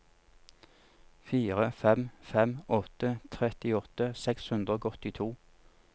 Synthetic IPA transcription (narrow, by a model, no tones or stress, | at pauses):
fiːʁəfɛmfɛmɔt̪ət̪ʰʁɛt̪ɪɔt̪əsɛkshʉnd̪ʁoːɡɔt̪ɪt̪ʰuː